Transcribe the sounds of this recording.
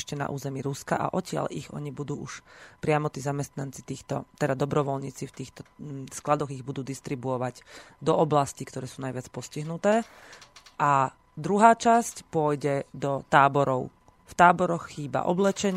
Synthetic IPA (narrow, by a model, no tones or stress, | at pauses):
ʃcɛna̰ʔṵːzɛmiːɾuska̰ʔa̰ʔɔcɪa̰ʎiɣɔ̰ɲibud̪uːʔuʃpɾɪamɔt̪iːzamɛst̪nant͡sit̪iːxt̪ɔ̰t̪ɛd̪ad̪ɔbɾɔʋɔlɲiːt͡sift̪iːxt̪ɔsklad̪ɔɣiɣbud̪uːd̪ist̪ɾibuɔʋaɟd̪ɔʔɔblascikt̪ɔɾɛːsuːnajʋɪat͡spɔsciɦnut̪ɛː | ʔa | d̪ɾuɦaːt͡ʃascpʊɔjɟɛd̪ɔt̪aːbɔɾɔʊ | ft̪aːbɔɾɔxxiːba̰ʔɔblɛt͡ʃɛɲ